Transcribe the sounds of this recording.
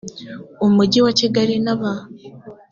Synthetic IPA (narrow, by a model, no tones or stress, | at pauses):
omuɟiwaciɡaɾinaβa